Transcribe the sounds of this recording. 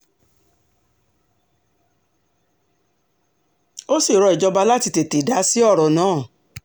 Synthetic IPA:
o˦si˦˨ɾɔ˧i˨d͡ʒɔ˧ba˧la˦ti˧te˨te˨da˨˦si˦ɔ˦˨ɾɔ˨nãː˦˨

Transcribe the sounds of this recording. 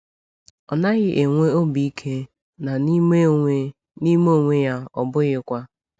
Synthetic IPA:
ɔ˨na˦ɣɪ˦ʔe˨ŋʷe˦o˦bi˨i˦kʰe˦ | na˨n˦ | ni˦mo˦˨ŋʷe˦ja˦ɔ̰˨bʊ˦ɣɪ˦kʷa˦

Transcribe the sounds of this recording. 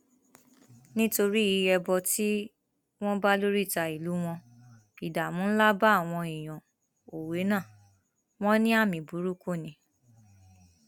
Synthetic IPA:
nĩ˦to˧ɾi˦i˧ɛ˧bɔ˧ti˦ | w̃ɔ̃˦ba˦lo˦ɾi˦˨ta˧˨i˨lu˨˦w̃ɔ̃˧ | i˨da˨mũ˨˦n̩˦la˦ba˦˨w̃ɔ̃˧i˨j̃ɔ̃˨ | o˨we˨˦nãː˦˨ | w̃ɔ̃˦nĩ˦a˦˨mĩ˨bu˨˦ɾu˦ko˦˨nĩ˨˦

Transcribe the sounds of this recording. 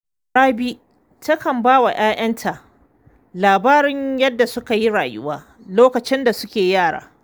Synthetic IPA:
ɽaː˦bi˦ | tɐ˦kɐ˨mbaː˦wa˨jʔaː˦j̰ʔɐ˦ntʰa˨ʔ | laː˨baː˦ɾɪ˦ɲjɐ˦dːa˨sʊ˦ka˨ji˦ɽaː˨jʊ̰˦waː˦ | loː˦kɐ˨t͡ʃɪ˦nda˨sʊ˦kʲeː˨jaː˦˨ɽa̰ː˦

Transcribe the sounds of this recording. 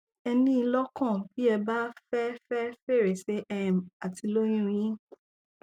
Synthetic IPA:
ɛ˧nĩ˦i˧lɔ˦kɔ̃˦˨bi˦ɛ˧ba˦fɛ˦fɛ˦fe˦˨ɾe˨se˦ʔɛ˨m˨a˨ti˧lo˦jĩ˦ɾ̃ĩ˦

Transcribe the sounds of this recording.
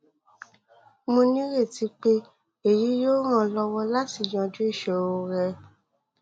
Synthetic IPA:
mõ˧nĩ˦ɾe˦˨ti˨˦k͡pe˦ | e˨ji˨˦joː˦ɾ̃ã˧˨lɔ˧wɔ˧la˦ti˦˨j̃ã˧d͡ʒu˦i˦˨ʃɛ˨o˧ɾɛ˧

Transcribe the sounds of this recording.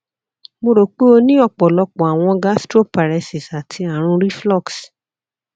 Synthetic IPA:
mo˧ɾo˨k͡pe˦o˧nĩ˦ɔ˦˨k͡pɔ˨lɔ˧k͡pɔ˨a˨w̃ɔ̃˧ɡa˦stɾo˦pa˨ɾɛ˧si˨sa˨tʰi˧a˨ɾ̃ũ˧ɾi˦flɔ˦˨ks

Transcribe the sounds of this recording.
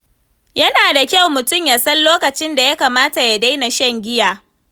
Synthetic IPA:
jɐ˦naː˨da˨kʲa˦˨wmʊ˨tʊ˦mjaː˨sɐ˦nloː˦kɐ˨t͡ʃɪ˦nda˨ja˦kaː˨maː˦ta˨ja˨da˦jna˨ʃɐ˦ŋɡʲɪ˦jaː˨

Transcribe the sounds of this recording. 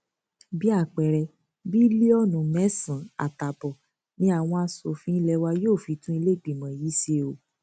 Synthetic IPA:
bi˦a˦˨k͡pɛ˨ɾɛ˧ | bi˦li˦ɔ˦nũ˨mɛ̃˨˦sĩ˨˦a̰˨ta˨bɔ˨ | nĩ˦a˨w̃ɔ̃˧a˧so˨fĩ˧˦i˦lɛ˧wa˧joː˦˨fi˧˦tũ˦i˧le˦˨ɡ͡bi˨mã˨ji˨˦se˧o˨

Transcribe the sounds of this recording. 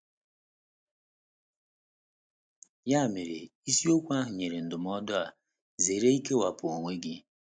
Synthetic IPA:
ja˦˨me˨ɾḛ˨i˦si˦o˦kʷa˦ɦʊ˨ɲe˨ɾe˨n̩˨dʊ˨m˦ɔ˦dɔ˦a˨ | ze˨ɾe˦i˦ke˦wa˨pʊ˨o˨ŋʷe˦ɡɪ˦

